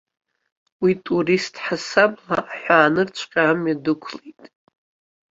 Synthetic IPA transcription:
witʼuɾistʰʼħasabla̰ːħʷᶣaːnɨrt͡ʃʷʰqʲʼaːmjadɨkʷʰlejtʼ

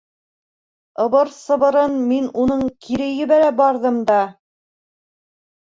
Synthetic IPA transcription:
ɤ̆βɤɾsɤ̆βɤ̆ɾɤnminunɤɴkʰiɾɘ̆jɘ̆βæɾæbɑɾðɤmd̪ɑ

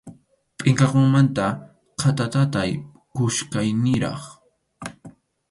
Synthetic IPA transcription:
pʼɪŋkɑqoŋmant̪a | qʰat̪at̪at̪aj | kʊʃkajnɪɾɑ̰χ

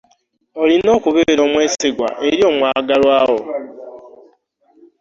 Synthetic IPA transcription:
olino̞ːkuβeeɾoːmweːsiɡwa̰ʔeɾjo̞ːmwaːɡalwaːwo

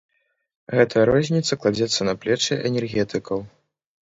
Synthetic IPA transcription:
ɣɛt̪ʰɐjɐɾɔzʲnʲit̪sɐklˠad͡zʲɛt̪sːɐnɐplʲɛt͡ʂɨʔɛnʲɛrɣʲɛt̪ɨkʰɐw

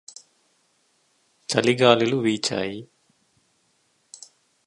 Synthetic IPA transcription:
t͡ʃɐliɡaːliluʋiːt͡ʃa̰ːji

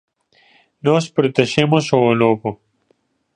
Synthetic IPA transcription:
noɕpɾit̪ɐɕemoɕoloːpo

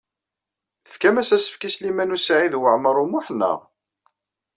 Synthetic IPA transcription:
θə̥fkæmæsæsə̥fkislimænusʕiðwəʕməɾˤumʊħnːə̰ʁ

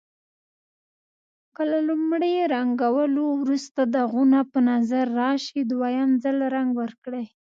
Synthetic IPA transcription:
kəlalumɽejeɾaŋɡawəlowɾust̪ad̪aɣunapənazaɾːɑʃid̪wajɑnzəlɾaŋɡwəɾkɽəj

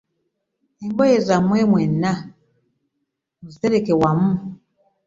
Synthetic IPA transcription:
embɔjezamwɛmwɛna | muziteɾekewamu

